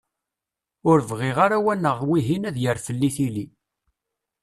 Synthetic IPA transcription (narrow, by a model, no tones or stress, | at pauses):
ʊɾvʁɪʁaɾawænːəʁwiɦinæðjəɾfəlːiθili